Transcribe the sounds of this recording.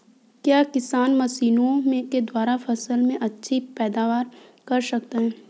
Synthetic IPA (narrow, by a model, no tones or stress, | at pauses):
kjaːkɪsaːnmɐsiːnõmẽked̪waːɾafɐsəlmẽʔɐtːʃʰipɛːd̪aːʋaːɾkɐɾsɐk̚t̪eɦɛ̃ː